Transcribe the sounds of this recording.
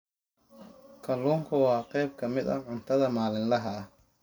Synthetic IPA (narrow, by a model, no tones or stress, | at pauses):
kʰɐluːŋkʰɐwɑːqɛjb̚kʰɐmɪd̪ɐʕʊnt̪ʰɐðɐmaːlɪnlɐɦɐ